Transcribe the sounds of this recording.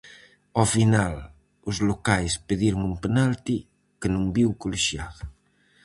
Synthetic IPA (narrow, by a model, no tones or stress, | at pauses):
ɔfinal | uzlokajspeðiɾoŋumpenalt̪i | kənũmbiwkoliʃjað